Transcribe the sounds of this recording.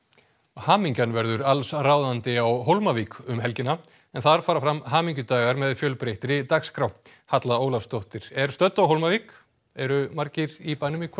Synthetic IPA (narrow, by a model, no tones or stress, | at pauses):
haːmiɲcanvɛɾðʏɾalsraːwðant̪ɪawɦowlmaviːkʏmɦɛlcɪna | ɛnθaɾfaːɾafɾamɦaːmiɲcʏt̪aːɣaɾmɛðfjœːlpɾejht̪ɪɾɪt̪akskɾaw | hat̪laoːwlafst̪owht̪ɪɾ̥ɛɾ̥st̪œt̪ːawɦowlmaviːk | ɛɾʏmaɾcɪɾipajnʏmikʰ